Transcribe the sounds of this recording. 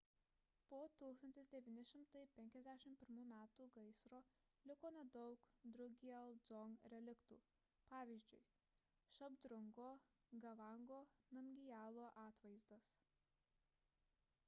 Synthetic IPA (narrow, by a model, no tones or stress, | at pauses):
poːt̪uːksɐnʲt̪ʲɪsd̪ʲɛʋʲiːnʲɪʃʲɪmt̪ɐɪpʲɛŋʲkʲɛzʲd̪ʲæʃʲɪmpʲɪɾmuːmʲæːt̪uːɡɐɪsɾoː | lʲɪkoːnʲɛd̪ɔʊkd̪ɾʊɡʲiɐlˠd̪zɔŋɾʲɛlʲɪkt̪ṵː | pɑːʋʲiːzʲd͡ʒʲʊɪ | ʃɐbd̪ɾʊŋɡoː | ɡɐʋɑˑŋɡoːnɐmʲɡʲɪjæːlˠoːʔɑːt̪ʋɐɪzd̪ɐs